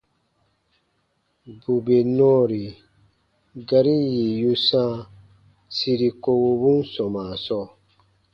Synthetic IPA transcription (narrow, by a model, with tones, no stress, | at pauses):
bu˨be˨nɔ̃˦ɾi˨ | ɡa˧ɾi˦ji˨ju˧sã˦ | si˧ɾi˧ko˧wo˧bu˦n˦sɔ˨ma˨sɔ˦˨